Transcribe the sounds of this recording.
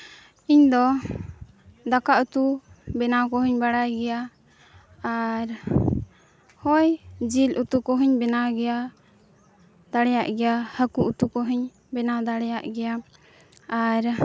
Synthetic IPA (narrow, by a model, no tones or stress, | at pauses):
iɲd̪ɔ | d̪akaʔut̪ubɛnakɔɦiɲbaɽajɡɛja | aɾ | hɔjd͡ʒilut̪ukɔɦiɲbɛnaɡɛja | d̪aɽɛjaʔɡɛjahəkuʔut̪ukɔɦiɲ | bɛnad̪aɽɛjaʔɡɛja | aɾ